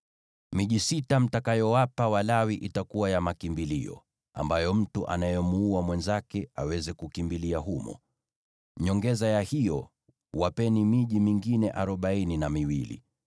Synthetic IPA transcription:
miʄisitam̩takajɔwapawalawiʔitakuwajamakimbiliɔ̰ | a̰mbajɔm̩tuʔa̰najɔmuuwamwɛnzakɛawɛzɛkukimbiliaɦumɔ̰ | ɲɔŋɡɛzajahijɔ | wapɛnimiʄimiŋɡinɛʔaɾɔɓaininamiwilḭ

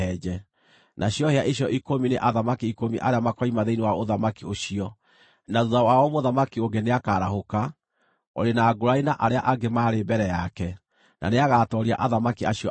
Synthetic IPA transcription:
ɛd͡ʒɛ | nʔaɕiɔheaʔiɕɔʔikomineʔaðamakiikomiʔaɾeamakaimaðeinewaoðamakioɕiɔ | naðuðawaɔmoðamakioɡeneakaːɾahoka | ɔ̰ɾenaːɡoɾainaʔaɾeaʔaɡemaːɾebɛɾɛjakɛ | na̰neaɣaːtɔɾia̰ʔaðamakiaɕiɔ̰

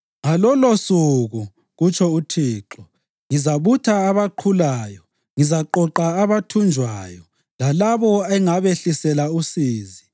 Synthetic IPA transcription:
ŋalɔlosuɣu | ɣut͡ʃʰʼɔutʰiːǁɔ | ŋizaβutʰaːβaǃʰulaːjɔ | ŋizaǃɔǃaːβatʰund͡ʒʱwaːjɔ | lalaβɔɛŋaβeɬisɛlausiːzi

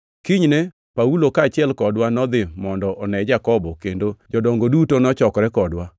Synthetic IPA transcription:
kiɲne | paulokaːt͡ʃɪɛlkɔdwanɔd̪ɪmɔndɔʔɔnɛd͡ʒakɔbɔkendod͡ʒɔdɔŋɡodutonɔt͡ʃɔkɾɛkɔdwa

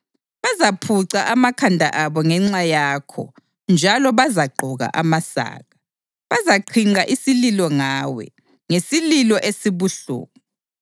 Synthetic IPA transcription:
βazapʰuǀaʔamakʰandʱa̰ʔaβɔŋɛŋ͡ǁajaːkʰɔ̰ | nd͡ʒʱalɔβazaɡ͡ǃʱɔɣa̰ʔamasa̰ːɣa | βazaǃʰiŋ͡ǀaʔisililɔŋaːwɛ̰ | ŋesililɔʔesiβuɬṵːɣɔ

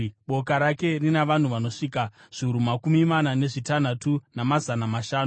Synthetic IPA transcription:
ɓo̞kaɾake̞rinaʋan̤uʋano̞ʂiːkaʐ̥iuɾumakumimanane̞ʐitan̤atunamazanamaʃaːnu

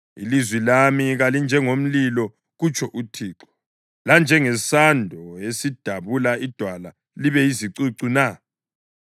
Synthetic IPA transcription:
ḭlizwilamiɣalind͡ʒʱɛŋom̩lilɔ | ɣut͡ʃʰɔʔutʰiːǁɔ̥ | land͡ʒʱɛŋɛsandʱɔesid̥ʱaβulaid̥ʱwala | liβɛjiziǀiǀuna

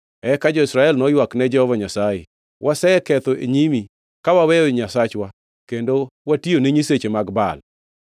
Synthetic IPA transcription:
ɛkad͡ʒɔisɾaɛlnɔjwaknɛd͡ʒɛhɔvaɲasajḛ | wʔasɛɛkɛt̪oʔḛɲimi | kawawɛoɲasat͡ʃwa | kendowationeɲiset͡ʃemaɡba̰l

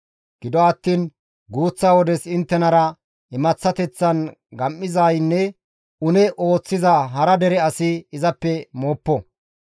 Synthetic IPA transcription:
ɡ̥ɪd̪ɔɐt̪ːiːn | ɡuːt͡sːaːwɔd̪ɛsɪnt̪ːɛnɐɾɐ | ɪmɐt͡sːɐt̪ɛt͡sːɐn | ɡɐmːɪzɐjnːɛ | ʊnɛʔo̞ːt͡sːɪzɐɦɐɾɐd̪ɛɾɛɐsɪːzɐpːɛmoːpːɔ

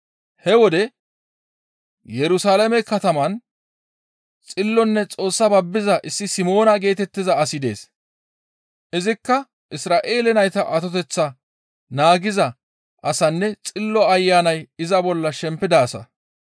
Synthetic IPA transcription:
hɛwɔd̪ɛ | jɛɾʊsaːlɐmɛkːɐt̪ɐmɐn | t͡sʼɪlːɔnːɛt͡sʼo̞ːsːɐbɐbːɪzɐʔɪsːɪsɪmo̞ːnɐɡe̞ːt̪ɛt̪ːɪzɐːsɪd̪e̞̰ːs | ʔɪzɪkːɐ | ʔɪsɾaːʔeːlɛnɐjt̪ɐʔɐt̪ɔt̪ɛt͡sːɐ | naːɡɪzɐ | ʔɐsɐnːɛt͡sʼɪlːɔɐjːaːnɐjɪzɐbɔlːɐʃɛmpːɪd̪aːsɐ̰

